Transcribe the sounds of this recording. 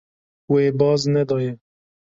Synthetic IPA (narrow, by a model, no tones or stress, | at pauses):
weːbɑːznɛd̪ɑːjɛ